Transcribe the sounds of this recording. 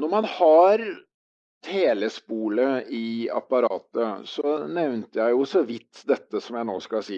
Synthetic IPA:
nɔɾmɑnhɑɾ | t̪ʰeːləspuːləɪɑ̰pɑɾɑ̰ːt̪əsɔnɛʋnt̪əjæɪjʊsɔʋɪt̪ːd̪ɛt̪ːəsɔmjæɪno̰ːskɑlsiː

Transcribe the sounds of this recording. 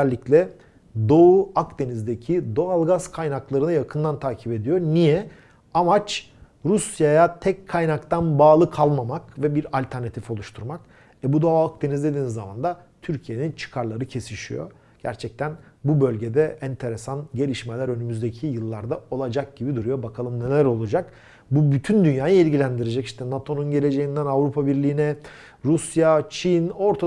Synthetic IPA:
ɛlʲːiclʲɛ | d̪o̞uakd̪e̞nizd̪ecʰid̪o̞alˠɡaz̥kʰajnaklˠaɾɯnɯjakʰɯnd̪ant̪ʰaːcʰipe̞d̪ijo̞ɾnijɛ | amat͡ʃ | ɾusjajat̪ʰɛckʰːajnakt̪ʰanbaːlˠɯkʰalˠmamakvɛbiɾalʲt̪ʰæɾnat̪ʰifo̞lˠuʃt̪ʰuɾmak | ɛbud̪oak̚d̪e̞nizd̪e̞d̪iːnizːama̰nd̪at̪ʰyɾcʰije̞nint͡ʃʰɯ̥kʰaɾlˠaɾɯcʰe̞siʃḭjo̞̰ | ɟ̥æ̰ɾt͡ʃʰɛc̚t̪ʰænbubø̞lʲɟed̪ɛɛnt̪ʰe̞ɾesanɟe̞lʲiʃme̞lʲæɾø̞nymyzd̪e̞cʰijɯlˠːaɾd̪ao̞lˠad͡ʒak̚ɟ̥ibid̪uɾujo̞bakʰalˠɯmne̞lʲæɾo̞lˠud͡ʒak | bubyt̪ʰynd̪ynjaːjɯilʲɟilʲænd̪iɾed͡ʒɛciʃt̪ʰɛnat̪ʰo̞nunɟe̞lʲe̞d͡ʒe̞jind̪ænavɾupʰabiɾlʲiːnɛ | ɾusjat͡ʃʰino̞ɾt̪ʰa

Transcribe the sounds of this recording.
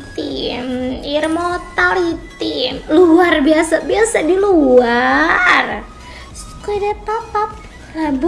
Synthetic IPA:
t̪imirmot̪alhit̪ɪmluarbiasabiasadiluar | s | koidɛpapap̚ | labu

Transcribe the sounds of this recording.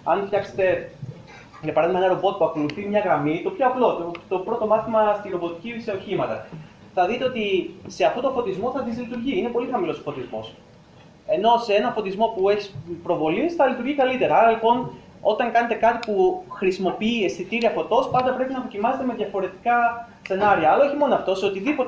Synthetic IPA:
ɐnft̪ɐkse̥t̪e̞ | jɐpɐɾɐðimɐenɐɾo̞bo̞t̪̚puɐko̞luθimɲɐɣɾɐmit̪o̞pçoɐplo̞t̪ot̪o̞pɾo̞t̪o̞mɐθimɐst̪iɾobo̞t̪icise̞o̞çimɐt̪ɐ̰ | θɐðit̪eo̞t̪ise̞ɐft̪o̞t̪ofo̞t̪izmo̞θɐt̪izlit̪uɾʝiine̞po̞lixɐmilo̞sofo̞t̪izmo̞s | e̞no̞see̞nɐnfo̞t̪izmo̞pueçispɾo̞vo̞lisθɐlit̪uɾʝikɐlit̪e̞ɾɐɐɾɐlipo̞n | o̞t̪ɐŋkɐne̞t̪e̞kɐt̪ipuxɾisimo̞piiesθit̪iɾiɐfo̞t̪o̞spɐnd̪ɐpɾe̞pinɐðo̞cimɐse̞t̪e̞me̞ðʝɐfo̞ɾe̞t̪i̥kɐ | se̞nɐɾiɐːlɐoçimo̞noɐft̪o̞seo̞t̪iðipot̪

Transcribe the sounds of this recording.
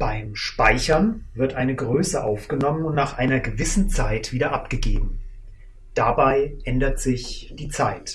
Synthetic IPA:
b̥aɪmʃpaɪçɐnvɪɐtʔaɪnəɡʁøːsəʔa̰ʊfɡ̥ənɔmənʊntnaːχʔaɪnɐɡəvɪsn̩t͡saɪtv̥iːdɐʔapɡ̥əɡeːbm̩ | d̥abaɪʔɛndɐtz̥ɪçd̥iːt͡saɪt

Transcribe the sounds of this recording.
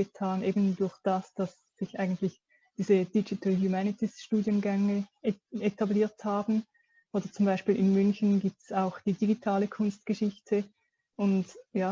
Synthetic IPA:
ətʰaːnʔeːbn̩dʊɐçd̥asd̥as | z̥ɪçʔa̰ɪɡn̩tlɪç | d̥iːzəd̥id͡ʒitʰal̩hjumɛnɪtisʃtuːdjənɡɛŋəetʰabliːɐthaːbn̩ | ʔoːdɐt͡sʊmbaɪʃpiːlɪnmʏnçn̩ɡiːp̚tsaʊxd̥iːdiɡitʰaːləkʰʊnst̚ɡ̥əʃɪçtʰə | ʔʊntjaː

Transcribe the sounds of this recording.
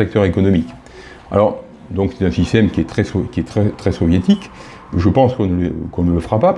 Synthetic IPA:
ɛk̚t̪œʁekɔnɔmik | a̰lɔʁ | d̪ɔ̃ksɛ̥t̪ɛ̃sist̪ɛmkʲiɛt̪χɛsɔkʲiɛt̪χɛt̪χɛsɔvjet̪ik | ʒəpɑ̃skɔ̃nələkɔ̃nələfəʁapa

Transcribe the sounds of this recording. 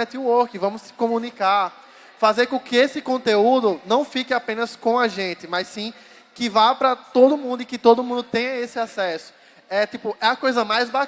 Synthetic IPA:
ɛt̪iuoɾkɪvɐ̃mʊsɪ̥kõmũnika | fazeɾkõkɪesɪkõt̪eud̪ʊnɐ̃w̃fikɪapẽnɐskõaʒẽt̪ɪmajsĩ | kɪvajpɾɐt̪od̪ʊmũnd̪ʊɪkɪt̪od̪ʊmũd̪ʊt̪ẽj̃ɐesɪasɛsʊ̥ | ɛt̪ipʊʔɛɐkojzɐmajzba

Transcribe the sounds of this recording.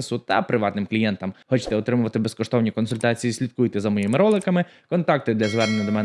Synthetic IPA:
sʊt̪ɐpɾɪʋɑt̪nɪmklʲijɛnt̪ɐmxɔt͡ʃt̪ɛɔt̪ɾɪmʊʋɐt̪ɪbeskɔʃt̪ɔwnʲikɔnsʊlʲt̪ɑt͡sʲijisʲlʲit̪̚kujt̪ɛzɐmɔjimɪɾɔlˠɪkɐmɪ | kɔnt̪ɑk̚t̪ɪd̪lʲɐzʋɛrneɲʲːɐd̪ɔmɛn

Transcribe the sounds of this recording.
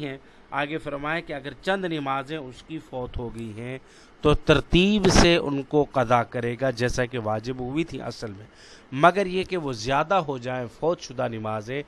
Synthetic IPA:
ɦɛ̃ | aːɡefɐɾmaːẽkeɐɡəɾt͡ʃɐ̃nd̪nɪmaːzẽʊskifɔːt̪ɦoɡɐiɦɛ̃ | t̪ot̪ɐɾt̪iːbseʊ̰nkoqɐzakɐɾeːɡad͡ʒɛːsakeʋaːd͡ʒɪbɦʊit̪ʰḭ̃ʔɐ̰səlmẽː | mɐɡəɾjekeʋozjaːd̪aɦod͡ʒaːẽfɔːt̪ʃʊd̪anɪmaːzẽː

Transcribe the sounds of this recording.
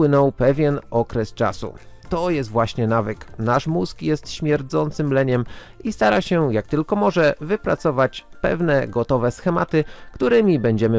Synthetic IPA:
wɘnɔwpɛvʲjɛnɔkɾɛst͡ʂa̰sṵt̪ɔjɛst̪vwaɕɲɛnavɘknaʂmuskjɛst̪ɕmʲjɛɾd̪zɔnt̪sɘmlɛɲɛm | ist̪aɾaɕɛjak̚t̪ɘlkɔmɔʐɛvɘpɾa̰t̪sɔvat͡ɕ | pɛ̰vnɛɡɔt̪ɔvɛsxɛmat̪ɘkt̪uɾɘmʲibɛɲd͡ʑɛmɘ

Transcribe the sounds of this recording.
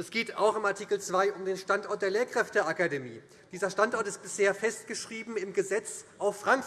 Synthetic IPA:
ɛsɡ̥eːta̰ʊxɪmaɐtʰikl̩t͡sv̥aɪʔʊmdeːnʃtantɔɐt̚d̥eːɐleːɐkʁ̥ɛftəʔakademḭː | d̥iːzɐʃtantʔɔɐtɪst̚b̥ɪsheːɐfɛstɡ̥əʃʁ̥iːbm̩ɪmɡəzɛt͡sʔaʊfʁ̥aŋk

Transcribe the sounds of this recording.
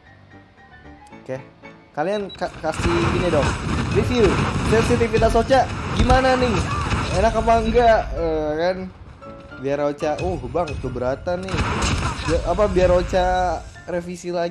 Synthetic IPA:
kɛh | kaliankakasifinɛdɔŋrifilsɛnsit̪ifit̪asot͡ʃaɡimananɪŋenakapaŋɡaʔəkan | biaɾot͡ʃaʔuhbaŋt̪ubəɾat̪anɪ | baapabiarot͡ʃarefisila

